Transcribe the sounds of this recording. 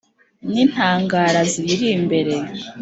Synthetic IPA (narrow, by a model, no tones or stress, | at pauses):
nin̥haːŋɡaːɾaziɾiɾimbe̞ɾe